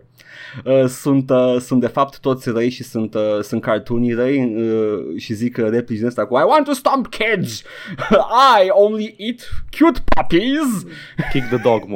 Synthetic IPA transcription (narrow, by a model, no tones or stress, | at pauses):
əsũnt̪əsũnt̪d̪efap̚t̪u̥t̪ot̪sɾɐjʃisunt̪əsũnt̪kaɾt̪uniɾɐjəʃizikəɾepɾiʒinẽst̪akumajwɔ̃nt̪ːust̪ãmpkʰed͡ʒ | ajõw̃nliʔit̪kʰjut̪pʰɔpiz | kik̚d̪ɨd̪ɔɡm